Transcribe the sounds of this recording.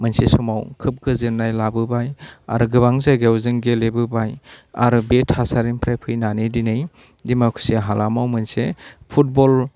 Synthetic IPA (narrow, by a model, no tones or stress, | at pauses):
mɯnsesɔmawkʰɯp̚ɡɯzɯnːajlabɯbaja̰ɾɯɡɯbaŋzaɡewzɯŋɡelebɯbaja̰ɾɯbetʰasaɾinpʰɾajpʰɯjnanidinɯj | dimakʰu̥seɦalamawmɯnsepʰut̚bɔl